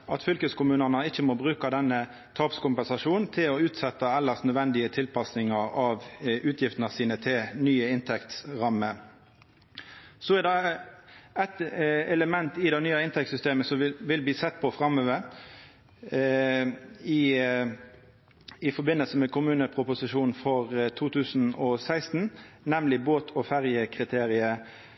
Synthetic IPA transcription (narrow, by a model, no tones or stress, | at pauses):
ʔɑt̪fʏlkəskʊmʉːnənəɪçːəmɔbʁʉːkɑd̪ɛnːə | t̪ʰɑːpskʊmpɛnsɑʂuːnnt̪ʰɪlɔʉːt̪sɛt̪ːɑɛlːəsnœd̪ʋɛnd̪ɪət̪ʰɪlpʰɑsnɪŋɑɾɑʋʉːt̪ʰjɪft̪nɑsiːnət̪ʰɪlnyːəɪnt̪ʰɛkt̪ɾɑmːə | sɔɛʁd̪ɛ | æɪt̪ɛləmɛnt̪ɪd̪æɪnyːɑɪnt̪ɛk̚t̪sʏst̪eːməsɔʋɪlbliːsɛt̪̚ːpʰɔfʁɑmøːʋəɾ | ɪ | ɪfɔbɪnːəlsəmɛkʊmʉːnəpʰʁʊpʊsɪʃuːnfɔʁt̪ʰuːt̪ʰʉːsn̩ɔsæɪst̪n̩nɛmlɪboːt̪ʰɔfæʁjəkʰʁɪt̪ʰeːʁɪə